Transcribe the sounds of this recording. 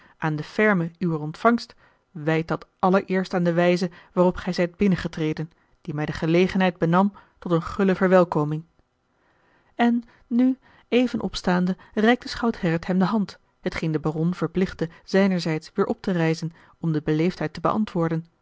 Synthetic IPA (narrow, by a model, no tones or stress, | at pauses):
ʔaːndəfɛɹməyʋəɹɔntfɑŋst | ʋɛjt̚dɑtʔɑləɹʔɪːɹstaːndəʋɛjzəʋaːrɔpχɛjzɛjd̚bɪnəχətrejdən | d̥imɛjdəχəlejχənɦɛjd̚bənɑmtɔtənχɵləvəɹʋɛlˠkowmɪŋ | ɛnː | y | ejvənʔɔ̰pstaːndərɛjk̚dəsχɑwthɛɹətɦɛmdəɦɑnt | ɦətχejndəbarɔnv̥əɹplɪχdəz̥ɛjnəɹzɛjtsʋɪːɹʔɔp̚tərɛjzən | ɔmdəbəlejftɦɛjtəbə̰ʔɑ̰ntʋʊːɹdən